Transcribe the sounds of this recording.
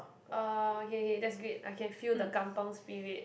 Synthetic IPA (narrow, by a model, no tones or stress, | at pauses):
ʔaokeokedɛtsɡɹet̚ʔa̰kʰɛ̃nfudəkãmpə̃ŋspiɹiət̚